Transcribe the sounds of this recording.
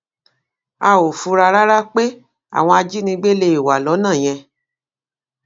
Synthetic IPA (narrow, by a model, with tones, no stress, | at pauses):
a˧o˨fu˧ɾa˧ɾa˦ɾa˦k͡pe˦ | a̰˨w̃ɔ̃˧a˧d͡ʒi˦nĩ˧ɡ͡be˦le˧˨i˨wa˨lɔ˨˦nãː˦˨j̃ɛ̃˧